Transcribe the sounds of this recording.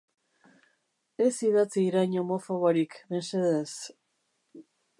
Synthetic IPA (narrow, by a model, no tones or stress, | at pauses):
e̞siðat͡siːɾajɲomofoβoɾikβe̞nseðes